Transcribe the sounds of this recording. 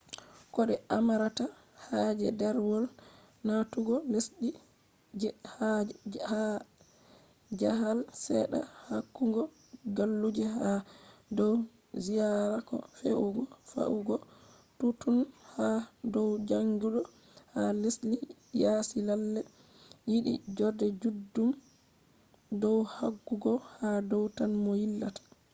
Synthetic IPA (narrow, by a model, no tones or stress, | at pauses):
kɔɗɛʔamaɾata | had͡ʒɛdɛɾwɔl | natuɡɔlesɗi | haha | d͡ʒaɦalsɛɗa̰hakːuŋɡɔ | ɡalːud͡ʒɛɦadɔw | zijaɾakɔ̰feʔuɡɔfa̰ʔuɡɔ | tutunhadɔwd͡ʒaŋɡuɗɔ | haleslijasilalːɛ | jiɗḭd͡ʒɔdɛd͡ʒudːum | dɔwhaɡːuɡɔhadɔwtanmɔhilːatḁ